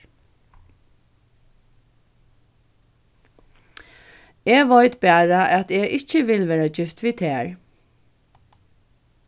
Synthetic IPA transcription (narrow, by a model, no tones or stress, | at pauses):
ɛːɡʋɔʏt̪bæːɹaʔæt̪ɛːɪt͡ʃəʋɪlʋeːɹad͡ʒɪft̪ʋiːt̪ʰæːɹ